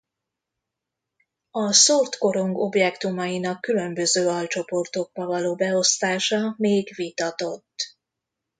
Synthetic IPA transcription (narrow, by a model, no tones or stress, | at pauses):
ɒsort̪ko̞ɾoŋɡo̞bjɛkt̪umɒjinɒkːylø̞mbø̞zøːɒlt͡ʃo̞po̞rt̪o̞ɡ̚bɒvɒloːbɛo̞st̪aːʃɒmeːɡvit̪ɒt̪o̞t̪ː